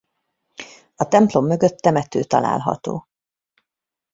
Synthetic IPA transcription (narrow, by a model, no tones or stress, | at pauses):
ɒt̪ɛmplo̞mːø̞ɡøt̪ːɛmɛt̪øːt̪ɒla̰ːlɦɒ̰t̪o̰ː